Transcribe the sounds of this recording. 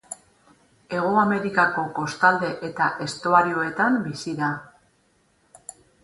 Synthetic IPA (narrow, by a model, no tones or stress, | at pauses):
e̞ɣ̞oame̞ɾikako̞ko̞st̪ald̪e̞ʔe̞t̪aʔe̞st̪oaɾio̞e̞t̪ambisiða